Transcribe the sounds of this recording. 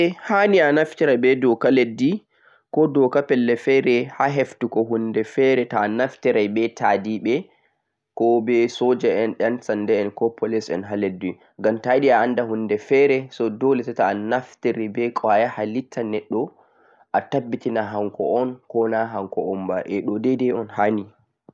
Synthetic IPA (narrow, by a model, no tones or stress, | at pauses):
ɛhanianaftiɾabɛdɔkaledːi | kɔdɔkapɛlːɛfɛɾɛhaɦeftukɔɦundɛfɛɾɛtanaftɛɾajbɛtʰadiɓɛ | kɔbɛsɔd͡ʒɛɛnɗɛnsandɛɛnkɔpʰɔlɛsɛ̰nɦaledːi | ŋɡamtajɗiaandaɦundɛfɛɾɛsɔdɔlɛsɛtaːnaftɛɾibɛkʼajahalitʰːanɛɗːɔ | ʔatabːitinaɦaŋkɔ̰ɔnkɔnaɦaŋkɔɔmbaʔɛɗɔdɛdɛɔnhani